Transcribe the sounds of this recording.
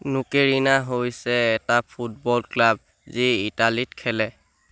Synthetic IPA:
nukeɹinaɦojsɛːtapʰut̚bɔlklab̚ | ziitalitkʰɛlɛ

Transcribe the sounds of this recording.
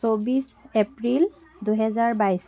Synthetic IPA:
obisepɹil | duɦɛzaɹbajs

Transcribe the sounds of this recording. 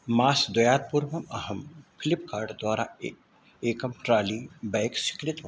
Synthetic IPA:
maːsd̪ɐjaːt̪̚puɾʋɐmɐɦəmpʰɪlɪpkaːɾɖd̪waːɾa | eːkɐmʈɾaːlibɛːksɪ̥kɾɪt̪

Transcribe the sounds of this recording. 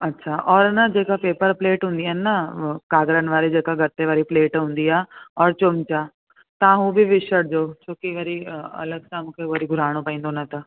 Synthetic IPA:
ɐtːɕʰaʔɔːɾnad͡ʑekapeːpəɾpleːʈɦũnd̪ianːakaːɡɾənʋaːɾed͡ʑeːkaɡət̪ːeʋaːɾipleːʈɦũnd̪iaɔːɾt͡ɕomt͡ɕa | t̪ãɦũbʱiʋɪʃəɽ̚d͡ʒot͡ɕoːkiʋəɾiɐ̰ləɡsãmukʰeʋəɾiɡʱʊɾaːɽ̃opaĩːnd̪onət̪a

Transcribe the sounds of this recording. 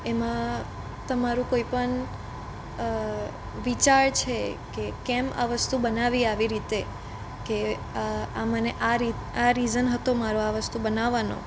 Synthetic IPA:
emã | t̪əmaɾũkoipəɳ | ʋit͡ʃaɾt͡ʃʰekekɛma̰ʋəst̪ubənaʋiaʋiɾit̪e | ke | aməneʔaɾit̪aɾizənɦət̪omaɾoaʋəst̪ubənaʋːano̰

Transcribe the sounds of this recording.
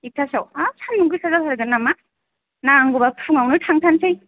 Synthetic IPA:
ik̚tʰasawasʰanmuɡɯsazapʰaɾɯɡɯnːama | naŋɡubapʰuŋawnɯtʰaŋtʰansɯj

